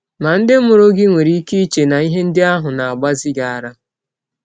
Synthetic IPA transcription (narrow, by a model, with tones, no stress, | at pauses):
na˨n̩˦dɪ˦mʊ˨ɾo˦ɡɪ˦ŋʷe˨ɾi˦ki˦t͡ʃe˨na˨i˦ɦe˦n̩˦dɪ˦a˦ɦʊ˨na˨a˨ɡ͡ba˦zɪ˦ɡa˨a˨ɾa˦